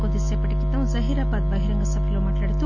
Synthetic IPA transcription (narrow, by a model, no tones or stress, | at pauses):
od̪isepɐʈikːit̪ːɐʋũzɐɦiɾaːbaːd̪̚bɐɦiɾɐŋɡɐsɐpʰɐlomaːʈlaːɽit̪ːu